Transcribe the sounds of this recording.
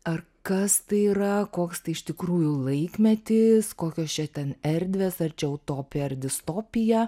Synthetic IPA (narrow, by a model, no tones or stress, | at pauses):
ɐr | kɐst̪ɐɪiɾɐkoːkst̪ɐɪɪʃt̪ʲɪkɾuːjʊlˠɐɪkmʲɛt̪ʲɪskoːkʲoːst͡ʃʲɛt̪ʲɛnɛɾʲd̪ʲʋʲeːsɐrt͡ʃʲɛoʊt̪oːpʲɪjɛɐrʲd̪ʲɪst̪oːpʲɪjɛ